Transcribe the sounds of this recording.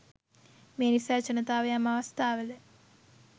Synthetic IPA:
meːnisaɾt͡ʃɐnɐt̪aːʋɐjamɐʋɐst̪ʰaːʋəlɨ

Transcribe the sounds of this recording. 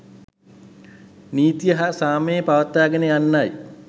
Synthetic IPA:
niːt̪ijəɦasaːməjepaʋət̪ːaːɡənejanːaj

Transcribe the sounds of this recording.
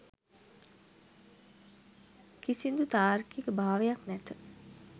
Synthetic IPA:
kisind̪ut̪aːrkikəbʱaːʋejaknæt̪ə

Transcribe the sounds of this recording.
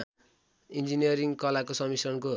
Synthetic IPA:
ind͡zinijʌɾiŋɡkʌlakosʌmisrʌnko

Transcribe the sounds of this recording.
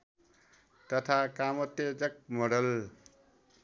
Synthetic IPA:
t̪ʌt̪ʰakamʌt̪jed͡zʌk̚mʌɽʌl

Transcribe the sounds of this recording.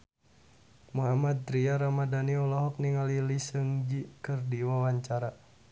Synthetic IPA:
muɦamad̪̚ɾiaɾamadaniɔlɔɦɔk̚niŋalilisəŋd͡ʒikərdiwawaɲt͡ʃaɾa

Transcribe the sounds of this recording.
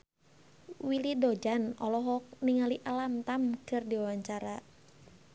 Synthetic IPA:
wilidod͡ʒanɔlɔɦɔk̚niŋaliʔalamt̪amkɨrdiwawaɲt͡ʃaɾa

